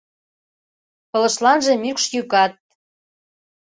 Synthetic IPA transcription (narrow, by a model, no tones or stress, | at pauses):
pɤ̆lə̆ʃlɑnʒĕmykʃjykɑt̪̚